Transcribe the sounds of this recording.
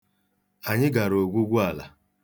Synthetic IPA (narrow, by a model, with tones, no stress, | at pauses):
a˨ɲɪ˦ɡa˨ɾo˨ɡʷu˦ɡʷu˦a˨la̰˨